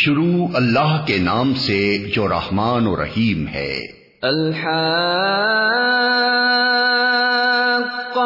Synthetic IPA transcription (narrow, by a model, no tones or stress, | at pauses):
ʃʊɾuːɐlːaɦkenaːmsed͡ʒoːɾɐ̰hmaːnoɾɐ̰hiːmɦɛ̰ː | ɐlħaː